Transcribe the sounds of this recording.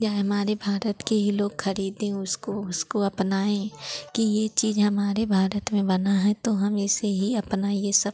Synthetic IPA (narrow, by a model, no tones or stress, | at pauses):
d͡ʒaːɦɐmaːɾebʱaːɾət̪keɦiloːɡxɐɾiːd̪ɦẽʊskoʊskoɐpnaːẽkijet͡ʃiːzɦɐmaːɾebʱaːɾət̪mẽbɐnaɦɛt̪oɦɐmɪseɦiɐpnajesɐb